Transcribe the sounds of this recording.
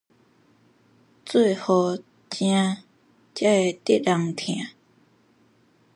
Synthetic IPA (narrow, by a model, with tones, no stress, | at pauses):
t͡swe˥˩˨ho˧˩ | t͡ɕjã˥ | t͡ɕa˥˩˨t̪i˥˨la˨ŋt̪ʰjã˨˩˨